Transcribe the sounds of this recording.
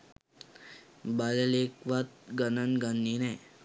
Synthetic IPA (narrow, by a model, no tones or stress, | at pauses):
balelekʋat̪̚ɡɐnɐnɡanːine